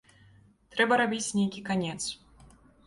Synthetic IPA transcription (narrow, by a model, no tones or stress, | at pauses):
t̪ɾɛbɐɾabʲit͡sʲnʲejkʲikanʲɛt̪s